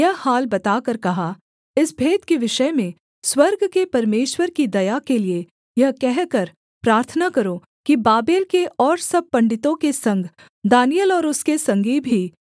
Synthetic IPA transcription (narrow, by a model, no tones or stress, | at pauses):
jɐɦhaːlbɐt̪aːkɐɾkɐɦa | ɪsbʱeːt̪kiʋɪʃəmẽ | swɐɾɡkepɐɾmeːʃwəɾkid̪ɐjakelie | jɐɦkɛɦkɐɾ | pɾaːɾt̪ʰənakɐɾo | kibaːbeːlkeʔɔːɾsɐb̚pɐ̃ɳɖɪt̪õkesɐ̃ŋɡʱ | d̪aːnijəlɔːɾʊskesɐ̃ŋɡibʱi